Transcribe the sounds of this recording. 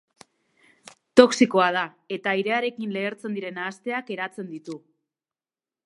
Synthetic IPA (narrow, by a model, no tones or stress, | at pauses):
t̪o̞ksikoað̞a | e̞t̪aiɾe̞aɾe̞kinle̞ːɾt͡se̞nd̪iɾe̞naːst̪e̞ake̞ɾat͡se̞nd̪it̪u